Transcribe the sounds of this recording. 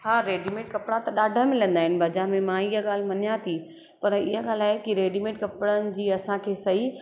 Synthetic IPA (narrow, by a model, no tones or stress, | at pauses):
ɦaːɾeːɖimẽːʈ̚kɐpɽãt̪ɐɗaːɖʱə̆mɪlə̃nd̪aːɦɪnɪ̆bʱɐd͡ʑãmẽmãiɦəɠaːl̤mɐnijat̪ʰi | pɐɾɪ̰ɦaɠaːl̤aːɪkiɾeːɖimẽːʈkɐpɽənɪ̆d͡ʑiːɐsãkʰeːsɐɦi